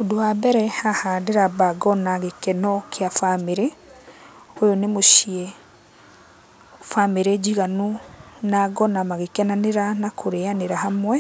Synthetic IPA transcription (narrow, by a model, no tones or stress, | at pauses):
odoabɛɾɛhahadeɾabaɡɔnaɣekɛnɔkʰeafameɾe | ojonemoʃiɛ | fameɾed͡ʒiɣanonaɡɔnamaɣekɛnaneɾanakʰoɾeaneɾahamwɛ